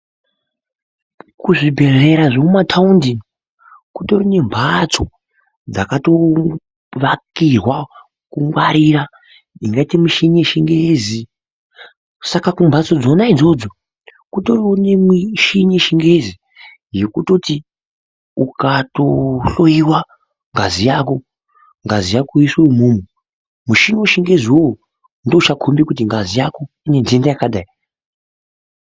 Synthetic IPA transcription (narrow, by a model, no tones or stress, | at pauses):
kuʐibʱe̞re̞ɾaʐemumatʰaundi | kuto̞rine̞mbʱat͡so̞ | d͡zakato̞ | ʋakirwa | kuŋɡwaɾiɾa | iŋɡaitimuʃiɲeʃiŋɡezi | sakakumbʱat͡so̞d͡zo̞naid͡zo̞d͡zo | kutoronemiʃiɲeʃiŋɡe̞zi | je̞kuto̞ti | ukatoɬoiwa | ŋɡazijako̞ | ŋɡazijakuisoumumu | muʃiɲoʃiŋɡe̞ziwo | ndout͡ʃakʰombikutiŋɡazijako | ine̞ndiendajakaɗai